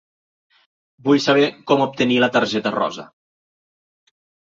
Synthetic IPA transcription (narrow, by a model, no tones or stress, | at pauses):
bujsɐβɛkɔmup̚t̪ənilət̪əɾʒɛt̪ərɔ̰zə̰